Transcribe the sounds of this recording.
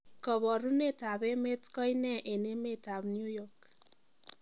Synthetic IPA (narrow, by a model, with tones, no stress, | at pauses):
kɔ˨βɔ˨ɾu˦ne˦˨ta˨be˦me˦tkɔ˦i˦nɛ˦ʔe˨ne˦me˦˨ta˨bnju˦jɔ˦˨k